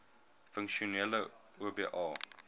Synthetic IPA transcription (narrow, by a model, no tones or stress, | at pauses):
fəŋkʃonelə | oːbeʔɑː